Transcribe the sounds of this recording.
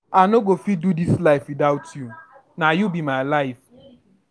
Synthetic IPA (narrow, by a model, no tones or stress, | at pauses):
anoɡofidudislaɪfwidaʊtʰju | najubimaɪlaɪf